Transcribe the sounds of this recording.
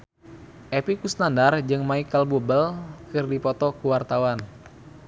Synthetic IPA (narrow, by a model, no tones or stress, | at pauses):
ʔepikusnandard͡ʒɨŋmaikəlbubəlkɨrdipɔt̪ɔkuwart̪awan